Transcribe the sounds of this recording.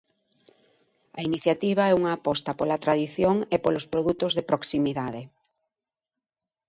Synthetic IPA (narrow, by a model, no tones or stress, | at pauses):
ɐ̰iniθjat̪iβ̞aɛuŋaːpɔst̪ɐpolɐt̪ɾaðiθjoŋepolospɾoðut̪ozðepɾoksimiðaðe